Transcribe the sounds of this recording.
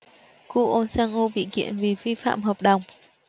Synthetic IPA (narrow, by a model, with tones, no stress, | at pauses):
ku˧ʔo˧nsaː˧ŋʔo˧ɓḭ˧˨kḭ˧˨ənvi˨˩fi˧fa̰ː˧˨mɦəː˨˩p̚ɗə˨˩wŋ͡m